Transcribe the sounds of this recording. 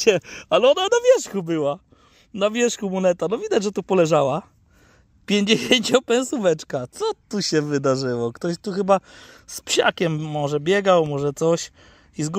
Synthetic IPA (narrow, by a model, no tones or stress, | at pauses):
ɛalɛɔnanavʲjɛʂxubɘwa | navʲjɛʂxumunɛt̪anɔvʲid̪ad͡ʑʐɛt̪upɔlɛʐawa | pʲjeɲd͡ʑeɕeɲt͡ɕɔ̃pɛ̃ñsuvɛt͡ʂkat̪sɔt̪uɕɛvɘd̪aʐɘwɔkt̪ɔɕt̪uxɘbaspɕa̰kʲɛmːɔʐɛbʲjɛɡawmɔʐɛt̪sɔɕ | izɡ